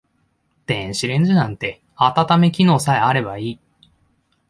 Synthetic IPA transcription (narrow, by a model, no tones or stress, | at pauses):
t̪ẽɕiɾẽ̞ɲ̟d͡ʑɨnãnt̪e̞ | at̪at̪ame̞kʲino̞ːsaeaɾe̞baiː